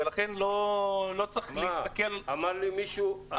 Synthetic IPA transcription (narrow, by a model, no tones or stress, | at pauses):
elaχenlolot͡sexlst̪akelamaɾlimiʃua